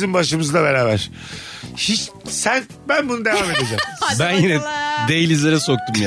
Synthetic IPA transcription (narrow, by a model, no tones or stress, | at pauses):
zimbaʃɯmɯzlˠabe̞ɾaːβæɾ̥ | hit͡ʃ | sæn | bænbunud̪evaːme̞d̪e̞d͡ʒɛmbænjinɛd̪ejilʲizeɾɛsok̚t̪umj